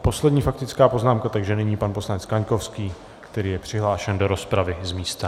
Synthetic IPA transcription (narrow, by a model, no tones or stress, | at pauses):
po̞slɛdɲiːfak̚t̪ɪt͡skaːpo̞znaːmkat̪aɡʒɛnɛɲiːpanpo̞slanɛt͡skaɲko̞fskiː | kt̪ɛɾiːjɛpr̥ɪɦlaːʃɛndo̞ɾo̞spɾavɪzmiːst̪a